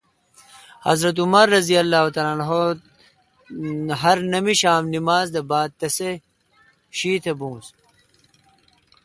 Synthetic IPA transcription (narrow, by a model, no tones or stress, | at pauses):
hɐ̰zɾɐt̪̬umɐɾːɐzijɐlːaːɦut̪aːlanɦo | ɦɐɾnɐmiɕaːmnimaːzd̪ɐbaːd̪̚t̪ɐse | ɕiːt̪ʰebũːs